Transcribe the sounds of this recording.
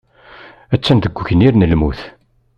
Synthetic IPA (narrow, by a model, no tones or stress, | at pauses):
æt͡sːænd̪əɡʷːçəniɾnəlmṵθ